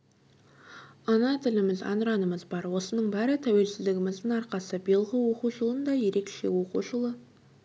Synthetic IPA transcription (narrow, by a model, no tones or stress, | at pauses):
ɑnɑt̪ʰɪlɪmɪzɑ̰nəɾɑnəməzbɑɾwo̞sənəɴbæɾɪt̪ʰæwe̞lsɪzd̪ɪɡʲɪmɪzd̪ɪŋɑɾqɑsəbilˠʁəwo̞quʒəlˠənd̪ɑje̞ɾe̞kʃe̞wo̞qṵʒəlˠə